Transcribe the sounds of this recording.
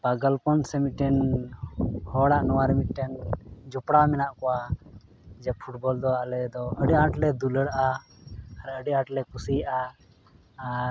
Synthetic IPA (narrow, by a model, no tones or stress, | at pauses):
baɡəlpɔnsɛmiʈɛn | hɔɽaʔnɔwaɾɛmiʈːɛnd͡ʒɔpɽamɛnaʔkɔwa | d͡ʒɛpʰuʈbɔld̪ɔaʔlɛd̪ɔəɖɛaʈlɛd̪uləɽʔaː | ɾəɖɛãʈlɛkusijʔaː